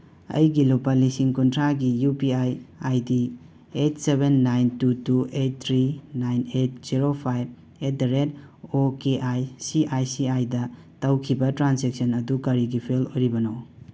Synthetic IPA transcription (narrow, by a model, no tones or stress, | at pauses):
ɐ̰jɡilopalisiŋkuntʰɾaɡijupiajajdi | etsebenːajntutuet̚t̪ʰɾinajnet̚z̥iɾopʰajb̚ | et̚ɾed | okeʔajsiʔajsiajdɐ | tawkʰibɐtɾansek̚sɐnɐdukɐɾiɡipʰelojɾibɐnow